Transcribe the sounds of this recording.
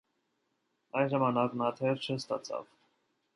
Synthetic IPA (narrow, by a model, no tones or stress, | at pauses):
ɑjnʒɑmɑnɑknɑt̪ʰɛɾt͡ʃʰəst̪ɑ̰t͡sʰɑ̰v